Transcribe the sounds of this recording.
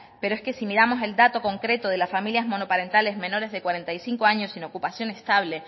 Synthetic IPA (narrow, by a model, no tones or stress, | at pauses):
pe̞ɾoe̞ske̞simiɾamo̞se̞ld̪at̪o̞ko̞ŋkɾe̞t̪oð̞e̞lasfamiljazmo̞no̞paɾe̞nt̪ale̞zmẽ̞no̞ɾe̞zðe̞kwaɾe̞nt̪ajsiŋko̞aɲo̞sino̞kupasjo̞ne̞st̪aβ̞le̞